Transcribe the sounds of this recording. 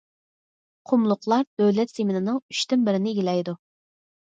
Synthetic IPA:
qʰʊmlˠʊqlˠɑɾd̪øwlɛt̪semɪnɨnɨŋy̥ʃt̪ynbɪɾɪnɪːɡʲilɛjd̪u

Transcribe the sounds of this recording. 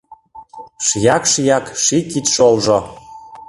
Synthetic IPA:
ʃjɑkʃjɑkʃikit̪ʃolʒo

